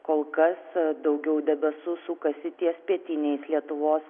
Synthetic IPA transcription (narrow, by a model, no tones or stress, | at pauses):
koːlˠkɐsd̪ɐʊɡʲɛʊd̪ʲɛbʲɛsʊsukɐsʲɪt̪ʲiɛspʲiɛt̪ʲɪnʲɛɪslʲiɛt̪ʊʋoːs